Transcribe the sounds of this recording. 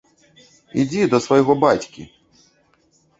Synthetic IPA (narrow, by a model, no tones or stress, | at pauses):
id͡zʲid̪ɐsvɐjɣɔbat͡sʲkʲḭ